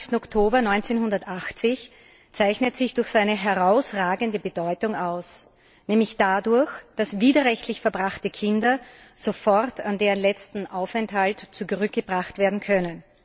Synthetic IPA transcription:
stn̩ɔktʰoːbɐnɔʏnt͡seːnhʊndɐtʔaxt͡sɪç | t͡saɪçnətz̥ɪçd̥ʊɐçz̥aɪnəɦɛɐʁaʊsʁaːɡəndəbəd̥ɔʏtʊŋaʊs | nɛːmlɪçd̥adʊɐçd̥asviːdɐʁɛçtʰlɪçfɛɐbʁaxtəkʰɪndɐ | z̥ofɔʁtʰandeːʁənlɛt͡stn̩ʔaʊfɛnthaltt͡suɡʁʏk̚ɡ̥əb̥ʁaχtv̥eːɐdn̩kʰœnən

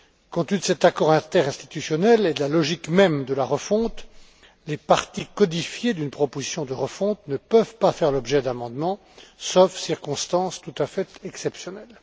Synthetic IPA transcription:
kɔ̃t̪yd̪əsɛt̪akɔʁɛ̃t̪ɛʁɛ̃st̪i̥t̪ysjɔnɛled̪əlalɔʒikmɛmd̪əlaʁəfɔ̃t̪ | lepaʁt̪ikɔd̪ifjed̪ynpχɔpozisjɔ̃d̪əʁəfɔ̃t̪nəpəvpafɛʁlɔbʒɛd̪amɑ̃d̪mɑ̃ | sofsiʁkɔ̃st̪ɑ̃st̪ut̪afɛt̪ɛksɛpsjɔnɛl

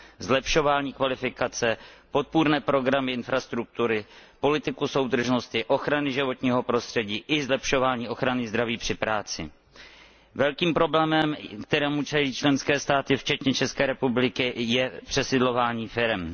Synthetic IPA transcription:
zlɛpʃo̞vaːɲiːkvalɪfɪkat͡sɛpo̞t̪̚puɾnɛːpɾo̞ɡɾamɪɪnfɾast̪ɾuk̚t̪uɾɪpo̞lɪt̪ɪkuso̞wd̪r̩ʒno̞st̪ɪʔo̞xɾanɪʒɪvo̞t̪ɲiːɦo̞pɾo̞st̪r̥ɛɟiːʔɪzlɛpʃo̞vaːɲiːʔo̞xɾanɪzd̪ɾaviːpr̝̥ɪpɾaːt͡sɪ̰ | vɛlkiːmpɾo̞blɛːmɛmkt̪ɛɾɛːmut͡ʃɛliːt͡ʃlɛnskɛːst̪aːt̪ɪft͡ʃɛt̪ɲɛt͡ʃɛskɛːɾɛpublɪkɪjɛpr̝̥ɛsɪdlo̞vaːɲiːfɪɾɛm

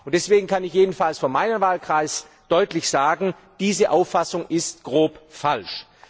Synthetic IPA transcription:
ʊnt̚d̥ɛsv̥eːɡŋ̩kʰanɪçjeːdn̩falsfɔnmaɪnəmvaːlkʁ̥aɪs | d̥ɔʏtlɪçz̥aːɡŋ̩ | d̥iːzəʔaʊfasʊŋʔɪst̚ɡ̥ʁoːpfalʃ

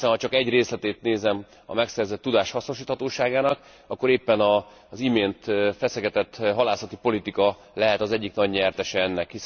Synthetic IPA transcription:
sɛnhɒt͡ʃɒkɛɟreːslɛt̪eːt̪neːzɛm | ɒ̰mɛksɛrzɛt̪ːud̪aːʃhɒsno̞ʃiːt̪hɒt̪oːʃaːɡaːnɒk | ɒkːo̞ɾeːpːɛnɒ | zimeːnt̪fɛsɛɡɛt̪ɛt̪ɦɒlaːsɒt̪ipo̞lit̪ikɒ | lɛɦɛt̪ɒzɛɟːiknɒɟɲɛrt̪ɛʃɛɛnːɛkhis

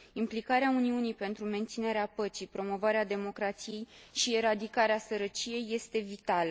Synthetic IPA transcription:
implikaɾeauniunijpe̞nt̪ɾume̞nt̪sine̞ɾeapət͡ʃipɾo̞mo̞vaɾead̪e̞mo̞kɾat̪sije̞jʃieɾad̪ikaɾeasəɾət͡ʃije̞jːe̞st̪e̞vit̪alə

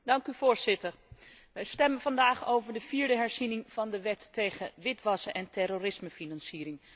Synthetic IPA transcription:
dɑŋkyvʊːɹz̥ɪtəɹ | ʋəstɛmənvɑndaːχowvəɹdəv̥iːɹdəɦɛɹzinɪŋv̥ɑndəʋɛtːejχə̰ʋɪtʋɑsəʔɛntɛɾorɪsməfinɑnsiːɾɪŋ

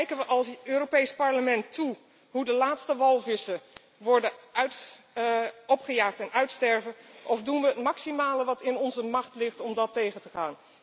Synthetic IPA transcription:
kɛjkənʋəʔɑlˠsøːropejspɑɹləmɛntu | ɦudəlaːtstəʋɑlˠvɪsə | ʋɔɹdəœɥt | ɔpχəjaːχtɛnœɥtstɛɹvənʔɔfdunʋəətmɑksimaːləʋɑtɪnɔnzəmɑχtlɪχtɔmdɑtejχəntəχaːn

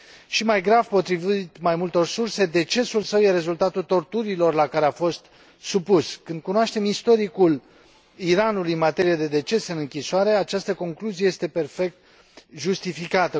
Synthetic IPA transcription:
ʃimajɡɾavpo̞t̪ɾivit̪majmult̪o̞rsurse̞d̪e̞t͡ʃe̞sulsəwjeɾe̞zult̪at̪ult̪o̞rt̪uɾilo̞rlakaɾeafo̞st̪ | supuskɨnd̪̚kunoaʃt̪e̞mist̪o̞ɾikul | iɾanulujɨnmat̪e̞ɾijad̪e̞d̪e̞t͡ʃe̞sɨnɨŋkʲisoaɾe̞at͡ʃast̪əko̞ŋkluzieje̞st̪e̞pe̞rfe̞k̚t̪̚ | ʒust̪ifikat̪ə

